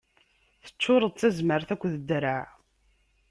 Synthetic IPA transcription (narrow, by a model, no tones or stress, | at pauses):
θə̥t͡ʃːʊɾˤəðˤt͡sːæzməɾθækʷːðəd̪ːɾaʕ